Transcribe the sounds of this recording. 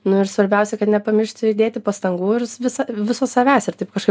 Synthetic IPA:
nʊɪɾsʋɐɾʲbʲɛʊsʲɛkɐt̪nʲɛpɐmʲɪrʃt̪ʲd̪ʲeːt̪ʲɪpɐst̪ɐŋɡuːɪɾsʋʲɪsɐʋʲɪsoːsɐʋʲæːsʲɪrt̪ɐɪp̚kɐʃkɐɪ

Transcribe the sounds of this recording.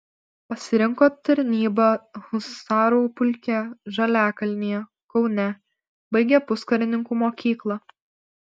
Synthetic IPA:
pɐsʲɪɾʲɪŋˑkoːt̪ɐɾʲnʲiːbɐhʊsɑːɾoːpʊlʲkʲɛʒɐlʲæːkɐlʲnʲijɛ | kɒʊnʲɛ | bɐɪɡʲɛpʊskɐɾʲɪnʲɪŋkuːmoːkʲiːklˠɐ

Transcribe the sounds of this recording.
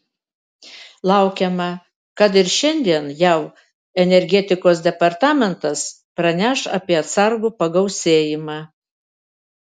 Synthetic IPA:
lˠɐˑʊkʲɛmɐ | kɐt̪ɪɾʃʲɛnʲd̪ʲiɛnjɛʊ | ɛnʲɛɾʲɡʲɛt̪ʲɪkoːs̬d̪ʲɛpɐɾt̪ɑːmʲɛnt̪ɐs | pɾɐnʲæːʃɑ̰pʲiɛɐt̪sɐɾɡuːpɐɡɐʊsʲeːjɪmɑː

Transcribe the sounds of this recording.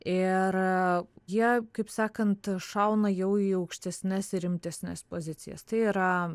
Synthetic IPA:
ɪrjiɛkɐɪpsɑːkɐnt̪ʃɐʊnɐjɛʊiːɐʊkʃʲt̪ʲɛsʲnʲɛsɪɾʲɪmʲt̪ʲɛsʲnʲɛ̰spoːzʲɪt͡s̪ʲɪ̰jɛ̰st̪ɐɪiːɾɐ

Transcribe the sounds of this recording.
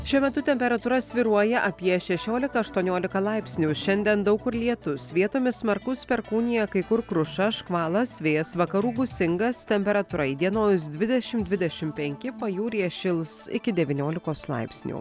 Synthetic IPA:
ʃʲuɔmʲɛt̪ʊt̪ʲɛmʲpʲɛɾɐt̪uɾɐsʲʋʲiɾuɔjɛʔɐpʲiɛʃʲɛʃʲoːlʲɪkɐɐʃt̪uɔnʲoːlʲɪkɐlˠɐˑɪpʲsʲnʲuːʃʲɛnʲd̪ʲiɛnd̪ɐʊkʊɾlʲiɛt̪ʊsʋʲiɛt̪oːmʲɪssmɐɾkʊspʲɛɾkuːnʲijɛkɐɪkʊɾkɾʊʃɐʃkʋɑːlˠɐsʲʋʲeːsʋɐkɐɾuːɡʊsʲɪŋɡɐst̪ʲɛmʲpʲɛɾɐt̪uɾɐɪd̪ʲiɛnoːjs̬d̪ʲʋʲɪd̪ʲɛʃʲɪmd̪ʲʋʲɪd̪ʲɛʃʲɪmpʲɛŋʲkʲɪpɐjuːɾʲiːʃʲɪlˠsɪ̰kʲɪd̪ʲɛʋʲɪnʲoːlʲɪkoːslˠɐ̰ɪpʲsʲnʲṵː

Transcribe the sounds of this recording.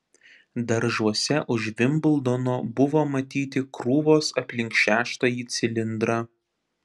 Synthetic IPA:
d̪ɐɾʒuɔsʲɛʔʊʃʋʲɪmbɪlˠd̪oːnoːbʊʋoːmɐt̪ʲiːt̪ʲɪkɾuːʋoːsɐpʲlʲɪŋkʃʲæːʃt̪ɐjiːt̪sʲɪlʲɪnd̪ɾɑ

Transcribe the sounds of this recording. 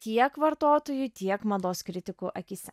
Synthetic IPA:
t̪ʲiɛkʋɐɾt̪oːt̪oːjut̪ʲiɛkmɐd̪oːskɾʲɪt̪ʲɪkuːʔɐkʲiːsʲɛ

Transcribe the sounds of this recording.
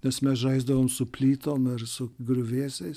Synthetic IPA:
nʲɛsmʲɛsʒɐɪzd̪ɐʋoːmsʊpʲlʲiːt̪oːmɪrsʊɡɾʲʊʋʲiːsʲɛɪs

